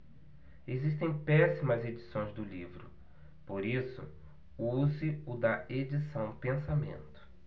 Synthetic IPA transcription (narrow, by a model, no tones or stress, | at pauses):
ezist̪ẽj̃pɛsimɐzed͡ʒisõj̃zd̪ʊlivɾʊ̰ | poɾisʊ̰ | uzɪʊd̪ɐʔed͡ʒisɐ̃w̃pẽsamḛ̃nt̪ʊ̥